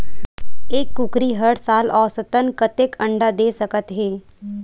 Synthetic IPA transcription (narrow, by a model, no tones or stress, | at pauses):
eːkːʊkɾiɦəɽsaːlɔːɾsət̪ənkət̪ekə̃ɳɖad̪eːsəkət̪ɦeː